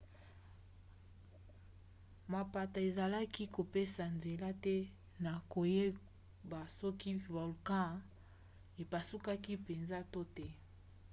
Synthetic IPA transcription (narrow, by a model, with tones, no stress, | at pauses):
ma˨pa˨ta˨e˨za˨la˦ki˦ko˨pe˦sa˨nze˨la˦tɛ˦ | na˨ko˨je˦ | ba˨sɔ˦ki˦vɔ˨lkã˦˨ | e˨pa˨su˦ka˦ki˦pe˨nza˦to˦tɛ˦